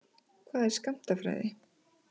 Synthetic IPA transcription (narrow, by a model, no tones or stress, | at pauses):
kʰvaːðɛɾ̥skam̥t̪afɾa̰ːjðɪ